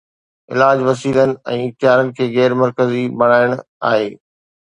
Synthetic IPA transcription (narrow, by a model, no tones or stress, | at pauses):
ɪ̰laːd͡ʑʋɐsiːlənɪ̆ɛ̃ːɪk̚t̪ɪɦaːɾənɪ̆kʰeːɣɛːɾmɐɾkəzibɐɽ̃aːɪəɽ̃ | a̰ːɦeː